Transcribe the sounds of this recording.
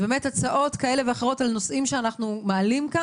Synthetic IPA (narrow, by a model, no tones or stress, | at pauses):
beme̞tat͡saʔo̞tkae̞le̞veaχeʁ̞o̞talno̞sʔimʃeanaχnumaːlimka